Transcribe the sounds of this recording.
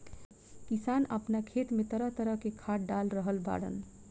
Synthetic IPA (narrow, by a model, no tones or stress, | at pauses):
kisanəpnakʰet̪met̪əɾəɦt̪əɾəɦkekʰaʈ̚ɖalɾəɦəlba̰ɽə̰n